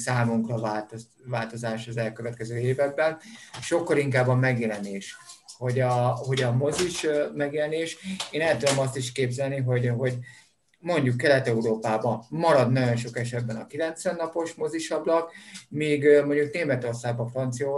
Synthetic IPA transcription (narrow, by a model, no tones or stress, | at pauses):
saːmuŋkrɒvaːlt̪ | vaːlt̪o̞zaːʃɒzɛlkøvɛt̪kɛzøːeːvɛɡ̚bɛnʃo̞kːɒliŋkaːbːɒmɛɡjɛlɛneːʃho̞ɟɒɦo̞ɟɒmo̞ziʃmɛɡjɛlɛneːʃeːnɛlt̪ud̪o̞mɒst̪iʃkeːbzɛlniɦo̞ɟɦo̞ɟ | mo̞ɲɟukːɛlɛt̪ɛuɾoːpaːbɒmɒɾɒd̪nɒɟo̞nʃo̞kɛʃɛd̪bɛnɒkilɛnt̪sʋɛnːɒpo̞ʃmo̞ziʃɒblɒkmiːɡmo̞ɲɟukneːmɛt̪o̞rsaːɡ̚bɒfrɒnt̪sijɒ